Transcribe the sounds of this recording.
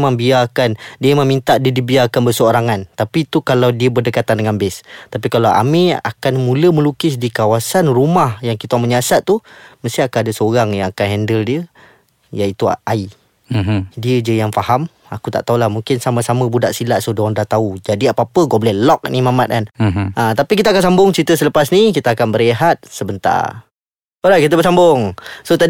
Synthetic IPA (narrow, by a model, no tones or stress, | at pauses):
maŋbiakandiəmaŋmint̪aʔdiədibiakanbərsəoɾaŋant̪apit̪ukalawdiəbərdəkat̪andəŋanbɪst̪ap̬ikalawʔa̰mia̰kanmuləməlukɪs̬dikawasanrumahjaŋkit̪aməɲasat̪̚ːuməst̪iakanadəsəoɾaŋjaŋakanɦɛndəldiə | jait̪uaʔai | diəd͡ʒəjaŋfaham | akut̪a̰ʔt̪aulahmuŋkɪnsamasaməbudaʔsilaʔsodondaht̪aud͡ʒadiapaapəɡɔblɛlɔk̚nimamat̪̚kanat̪apik̬it̪akansambʊŋt͡ʃɾit̪əsələpasnik̬it̪aakanbəɾiɦat̪̚səbənt̪a̰ | oɾakit̪̬əbəsambʊŋsot̪a